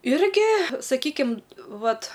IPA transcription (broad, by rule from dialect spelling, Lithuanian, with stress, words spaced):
ˈɪrʲɡʲɪ sɐˈkʲiːkʲɪm ˈʋɐt